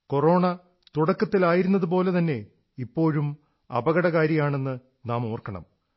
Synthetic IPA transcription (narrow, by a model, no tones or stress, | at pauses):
ko̞ro̞ːɳɐ | t̪uɽɐkːɐt̪ːilaːjiɾunːɐðupo̞ːle̞t̪ɐnːe̞ | ipːo̞ːɻum | ɐ̰bɐɣɐɽɐɣaːɾjɐjaːɳe̞nːɨ | naːmoːrkɐɳɐ̰m